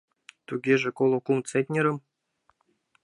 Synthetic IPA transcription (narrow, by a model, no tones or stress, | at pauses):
t̪uɡʲeʒĕkolˠokumt͡set̪ʲnʲeɾə̆m